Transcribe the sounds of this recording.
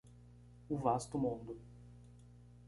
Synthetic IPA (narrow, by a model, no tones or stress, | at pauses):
ʊvast̪ʊmũnd̪ʊ